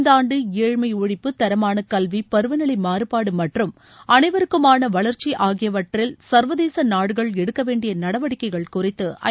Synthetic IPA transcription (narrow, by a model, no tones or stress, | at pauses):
nd̪aːɳɖɯeːɻmɐɪʊɻɪpːɯt̪ɐɾɐmaːnɐkɐlʋipɐɾɯʋɐnɐɭɐɪmaːɾɯpaːɽɯmɐʈrɯm | ɐnɐɪʋɐɾɯkːɯmaːnɐʋɐɭɐɾt͡ʃːiʔaːɣɪjɐʋɐʈrɪlsɐɾʋɐðeːsɐnaːɽɯɣɐɭɛɽɯkːɐʋeːɳɖɪjɐnɐɽɐʋɐɽɪkːɐɪɣɐɭkʊrɪt̪ːɯʔɐ̰